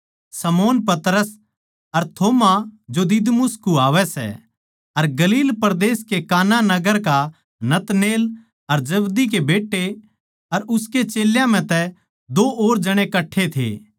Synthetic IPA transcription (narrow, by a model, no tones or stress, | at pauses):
sɐmoːnpɐt̪ɾəs | ɐɾt̪ʰoːmad͡ʒod̪ɪd̪mʊskuaːʋɛsɛ̰ | ɐɾɡɐliːlpɐɾd̪eːskekaːnanɐɡəɾka | nɐt̪neːl | ɐɾd͡ʒɐbd̪ik̬ebeːʈːe | ɐɾʊsket͡ʃeːljãm̤ɛ̃t̪ɛ | d̪oːʔoːɾd͡ʒɐɽ̃ekɐʈʰːet̪ʰḛː